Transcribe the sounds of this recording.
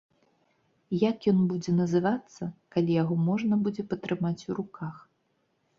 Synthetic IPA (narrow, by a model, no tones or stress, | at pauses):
jakjɔnbud͡zʲɛnɐzɨvat̪sːɐkalʲijaɣɔmɔʐnɐbud͡zʲɛpɐt̪ɾɨmat͡sʲuɾukax